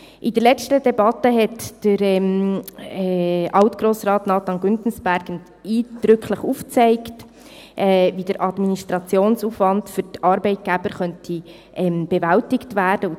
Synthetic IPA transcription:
ʔɪdəɾlɛt͡stədɛbɑtəɦɛtd̥əɾɛm | ɑʊtɡ̥ɾoːsɾɑːtnɑːtɑnɡʏntn̩sb̥æɾɡ̥ən | iːd̥ɾʏkχləχuːft͡sɛɪkt | ʔɛvid̥əɾʔɑdministɾɑt͡sjoːnsufvɑndfʏɾtɑːɾbɛɪt̚ɡ̥æbəɾχœntʰi | ʔɛmb̥ɛvæltɪktvæːɾd̥ə

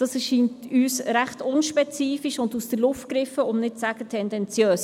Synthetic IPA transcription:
d̥ɑsɛʃiːntyːsɾæχtʊnʃpɛt͡siːfiʃʊndusd̥əɾlʊftkɾɪfəʊmnɪt̚t͡sæɡ̥ətʰɛndɛnt͡sjøːs

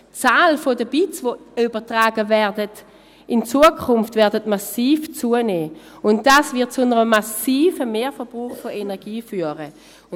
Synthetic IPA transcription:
t͡saːlfodəbit͡svoybətʁaːɡəvɛɐdət | ɪnt͡suəkʰʊmftvɛɐdətmasiːft͡suəneː | ʊnt̚d̥aːsvɪɐt̚t͡sʊnəʁəmasiːfəmeːfɛb̥ʁuːχfoenɛɐɡiːfyːəʁə

